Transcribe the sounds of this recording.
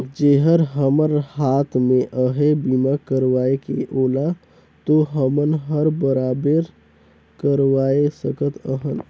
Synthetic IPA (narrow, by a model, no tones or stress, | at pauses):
d͡ʒeɦəɾɦəməɾhaːt̪ʰmẽʔəɦebimakəɾʋaekḛʔoːla | t̪oɦəmənɦəɾbəɾaːbəɾ | kəɾʋaesəkət̪ʰəɦən